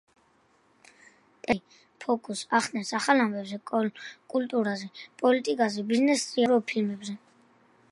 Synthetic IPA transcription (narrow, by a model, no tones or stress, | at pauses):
t̪ʼɛ | pʰɔkʰʼusaχst̪nɛnsaχalambɛbzɛkʼkʼult̪ʼuɾazɛpʼɔlit̪ʼikʼazɛbiznɛst̪ʼɾiaɾɔpʰilmɛbzɛ